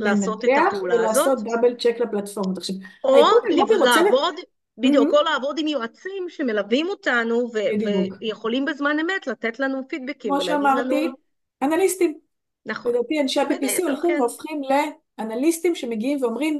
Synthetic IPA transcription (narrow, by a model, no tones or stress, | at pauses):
laːnsot̪eaulelaːzoso̞t̪̚dabelt͡ʃeklaplatfo̞ʁmot̪aχʃavoilavod̪ | bid̪jukolaːvo̞d̪imjoat͡simʃe̞me̞lavimot̪anuved̪jejeχo̞limbezmane̞met̪lat̪et̪lanufid̪̚bekimoʃeamaʁti | analistim | naχd̪at̪ianʃeapipisio̞lχimveofχimle̞ | analistimʃe̞meɡiimveo̞mʁim